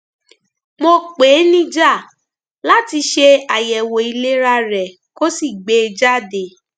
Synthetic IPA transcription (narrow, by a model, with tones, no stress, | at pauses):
mo˧k͡peː˨˦nĩ˦d͡ʒa˦˨ | la˦ti˧ʃe˧a˨jɛ˨wo˨i˧le˦ɾa˧ɾɛ˨ | ko˦si˦˨ɡ͡be˨˦˧d͡ʒa˦˨de˨